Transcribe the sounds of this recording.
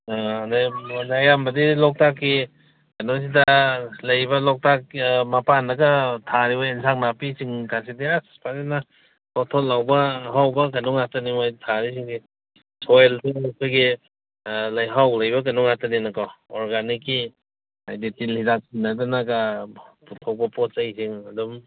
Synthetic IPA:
aadaɔdajambɐdilɔk̚takːi | kanɔs̬idalɐjbalɔk̚takmapanaɡatʰaɾibainsaŋnapisiŋkasidiaspadena | kɔtʰɔlːawbɐɦawbakanɔŋatanimajtʰaɾis̬iŋki | sɔjlsiŋakʰajɡe | lajɦawlajbakanɔŋataninakaɔɾɡanikːi | ajditilhizak̚sinadanaɡaputʰɔk̚bapɔsajsiŋadɔm

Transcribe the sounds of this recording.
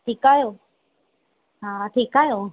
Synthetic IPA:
ʈʰiːkajo | ɦãʈʰiːkajo

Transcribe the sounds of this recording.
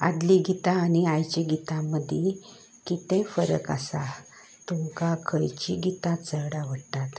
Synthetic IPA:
a̰d̪liɡit̪aːniajt͡ɕeɡit̪ãməd̪ʱje | kit̪ɛ̃fəɾə̰ka̰sa | t̪umkakʰəjt͡ɕiɡit̪ãt͡səɦɽaʋəɽt̪at̪

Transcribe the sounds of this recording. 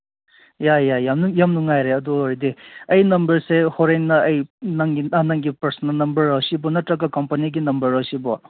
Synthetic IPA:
jajajamnujamnuŋajɾeɐduɡɔɾidiɐjnɐmbɐɾsehɔɾejnnɐɐjnɐŋɡiɐnɐŋɡipɐɾsnɐlnɐmbɐɾːɐsibɔnɐtɾɐkːakɔmpɐniɡinɐmbɐɾːɐsibɔ

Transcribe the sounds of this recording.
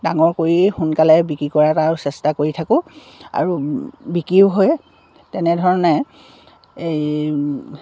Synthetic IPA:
daŋɔɹkoɹixunkalɛbikɹikɔɹataɹsɛstakoɹitʰakʊ̃ | a̰ɹubikɹiʊɦoj | tɛnɛdʱɔɹɔnɛ | ej

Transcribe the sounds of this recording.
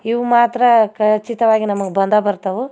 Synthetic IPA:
iʋmaːt̪ɾɐkʰɐt͡ʃːit̪ɐʋaːɡinɐmːɐɡebɐnd̪ʱɐbɐɾt̪ɐʋu

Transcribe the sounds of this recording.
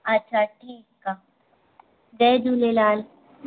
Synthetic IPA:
ɐtːʃʰaːʈʰiːkːa | d̪eːd̪uːlelaːl

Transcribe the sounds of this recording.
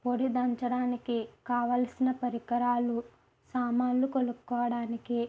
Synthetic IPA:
poɽid̪ɐɲt͡ʃɐɽaːnikikaːʋɐːlɐsinɐpɐɾikɐɾaːlu | saːmaːlːukolukːɔːʋɐɽaːniki

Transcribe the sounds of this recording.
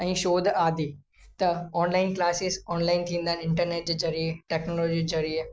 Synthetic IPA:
ɛ̃ːʃoːd̪ʱaːd̪ʱiː | t̪ɐɔːnlaːɪnklaːsɪsɔːnlaːɪnt̪ʰĩːnd̪aːnɪɪ̃ɳʈəɾneːʈ̚d͡ʑeːd͡ʑɐɾieʈɛːknoːlɔːd͡ʑd͡ʑɐɾie

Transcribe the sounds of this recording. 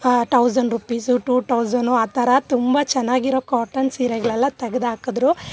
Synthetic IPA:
ʈɐwzɐɳɖɾupiːsuʈuːʈɐwzɐnuaːt̪ɐɾɐt̪umbɐt͡ʃɛnːaːɡiɾoːkaːʈɐnsiːɾɛɡɐɭɛlːɐt̪ɛɡɛd̪aːkɐd̪ɾu

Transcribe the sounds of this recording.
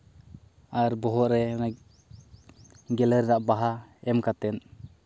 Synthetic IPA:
aɾbɔɦɔʔɾɛɔna | ɡɛləɾɾaʔbaɦaɛmkat̪ɛn

